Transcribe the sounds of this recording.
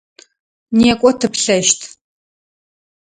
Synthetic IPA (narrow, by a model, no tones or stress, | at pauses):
niːkʷʼɔtʰɨpɬɐʃtʰ